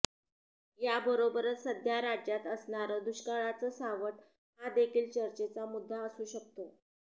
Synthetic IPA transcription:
jabəɾobəɾət̪səd̪ʱjaɾad͡ʑjat̪əsɳaɾəːd̪uɕkaɭat͡səːsaʋəʈ̚ | ɦad̪ekʰiːlt͡ɕəɾt͡ɕet͡samud̪ʱːaəsuːɕək̚t̪o

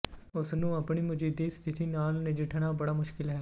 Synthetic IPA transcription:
ʊsnũɐpnimʊd͡ʒiːd̪ist̪ʰɪt̪ʰinaːlnẽd͡ʒɪʈʰnabɐɽamʊʃkɪlɦɛː

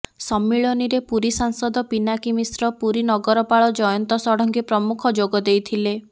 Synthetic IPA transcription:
sɔmːiɭɔniɾepuɾisaŋsɔd̪ɔpinakimisɾɔpuɾinɔɡɔɾɔpaɭɔd͡ʒɔjɔnt̪ɔsɔɽɔŋkepɾɔmukʰɔd͡ʒoɡɔd̪ejt̪ʰile

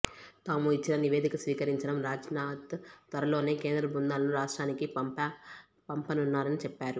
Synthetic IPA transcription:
t̪aːmuit͡ʃːinɐniʋe̞ːd̪ikɐsʋiːkɐɾiɲt͡ʃɐɽɐmɾaːd͡ʒɐnaːt̪ːʋɐɾɐlo̞ːne̞ːkeːnd̪ɾɐbund̪aːlɐnuɾaːʂʈɾaːnikiɐ | pɐmpɐnunːaːɾɐnit͡ʃɛpːaːɾu

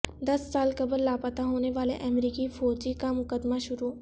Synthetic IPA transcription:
d̪ɐsːaːlkɐbəɾlaːpət̪aɦoːneʋaːlḛʔɛmɾiːkifɔːɾd͡ʒikamʊkəd̪maʃʊɾu

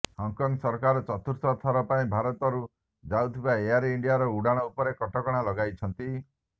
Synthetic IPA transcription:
hɔŋkɔŋɡsɔɾkaɾɔt͡ʃɔt̪ʰuɾt̪ɔt̪ʰɔɾɔpaĩbʱaɾɔt̪ɔɾu | d͡ʒawt̪ʰibaeaɾiɳɖijaɾɔuɽaɽ̃ɔupɔɾekɔʈɔkɔɽ̃alɔɡajt͡ʃʰɔnt̪i

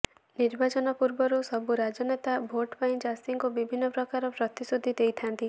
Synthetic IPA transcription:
niɾbat͡ʃɔnɔpuɾbɔɾusɔbuɾad͡ʒɔnet̪abʱoʈpaĩd͡ʒasiŋkubibʱinːɔpɾɔkaɾɔpɾɔt̪isud̪ʱːid̪ejt̪ʰant̪i

